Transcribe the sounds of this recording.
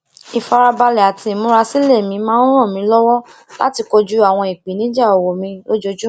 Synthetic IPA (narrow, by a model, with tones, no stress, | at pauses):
i˨fa˧ɾa˧ba˧lɛ˨a˨tʰĩ˧˨mũ˦ɾa˧si˦le˦˨mĩ˧mãː˦n̩˦ɾ̃ɔ̃˦˨mĩ˧˦lɔ˦wɔ˦ | la̰˦ti˧ko˧d͡ʒu˦a˦˨w̃ɔ̃˧i˨k͡pi˨˦nĩ˨˦d͡ʒa˦˨o˨wo˨mĩ˧˦o˦d͡ʒo˧d͡ʒu˦